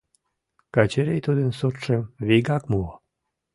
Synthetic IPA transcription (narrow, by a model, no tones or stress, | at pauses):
kɑt͡ɕeɾejt̪ud̪ənsot̪ʃemβiɡɑkmu